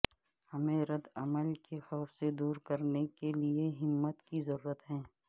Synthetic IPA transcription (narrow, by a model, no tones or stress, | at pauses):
hɐmẽɾɐd̪ɐ̰məlkexɔːfsed̪uːɾkɐɾnekelieɦɪmːət̪kizɐɾuːɾət̪ɦɛ̃ː